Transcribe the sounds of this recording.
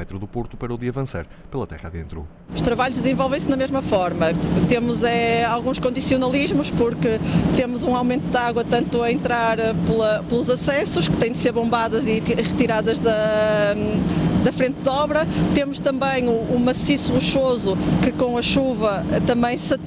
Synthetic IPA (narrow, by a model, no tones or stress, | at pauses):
ɛt̪ɾuðupoɾt̪u̥pɐɾɐuðiɐvɐ̃sa̰ɾ | pelˠɐt̪ɛ̰ʁa̰ðḛ̃nt̪ɾṵ | uʃt̪ɾɐβaʎʊʒd̪zẽvɔlˠvẽj̃sɨnɐmeʒmɐfɔɾmɐt̪emʊzɛalˠɣũʃkõnd̪isiunɐlˠiʒmuʃpuɾkɨt̪emʊzũawmẽnt̪uðaɣwɐt̪ɐ̃nt̪uɐẽnt̪ɾaɾplˠɐplˠuzɐsɛsuʃkɨ̥t̪ɐ̃j̃d̪ɨseɾβõmbaðɐziʁɨt̪iɾaðɐʒðɐ | d̪ɐfɾẽnt̪ðɔβɾɐt̪emʊʃt̪ɐ̃mbɐ̃j̃uːmɐsisuʁuʃozukɨkõɐʃuvɐt̪ɐ̃mbɐ̃j̃sɐ